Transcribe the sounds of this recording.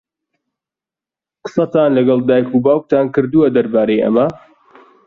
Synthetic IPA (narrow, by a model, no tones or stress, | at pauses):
qə̥sɐt̪aːnlɐɡɐlˠd̪aːjkubaːwk̚t̪ʰaːnkɨɾd̪uwɐd̪ɐɾbaːɾejʔɐ̰mɐ